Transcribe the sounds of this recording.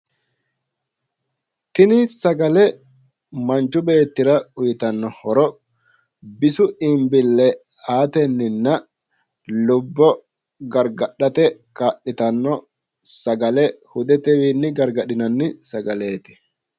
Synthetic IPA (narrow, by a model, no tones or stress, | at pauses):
t̪ɪnɪsɐɡɐlɛ | mɐnt͡ʃːʊbe̞ːt̪ːɪɾɐʊjɪt̪ɐnːɔhɔɾɔ | bɪsʊɪmbɪlːɛ | aːt̪ɛnːɪnːɐ | lʊbːɔ | ɡɐɾɡɐɗɐt̪ɛkaːɗɪt̪ɐnːɔ | sɐɡɐlɛhʊd̪ɛt̪ɛwiːnːɪɡɐɾɡɐɗɪnɐnːɪsɐɡɐleːt̪ɪ̥